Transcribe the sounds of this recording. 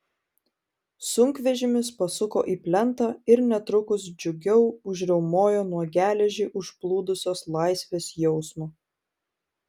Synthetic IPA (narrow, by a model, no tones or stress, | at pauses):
sʊŋʲkʋʲɛʒʲɪmʲɪspɐsʊko̰ːʔiːpʲlʲɛnt̪ɐɪɾnʲɛt̪ɾʊkʊs̬d͡ʒʲʊɡʲɛʊʊʒʲɾʲɛʊmoːjoːnuɔɡʲæːlʲɛʒʲeːʔʊʃplˠuːd̪ʊsʲoːslˠɑɪsʲʋʲeːsjɛʊsmoː